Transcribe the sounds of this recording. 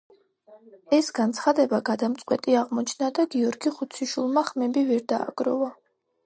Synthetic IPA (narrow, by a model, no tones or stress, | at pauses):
ɛsɡant̪sʰχad̪ɛbaɡad̪amt̪sʼqʼwɛt̪ʼiaʁmɔt͡ʃʰnad̪aɡiɔɾɡiχut̪sʰiʃulˠmaχmɛbivɛɾd̪a̰ːɡ̥ɾɔ̰va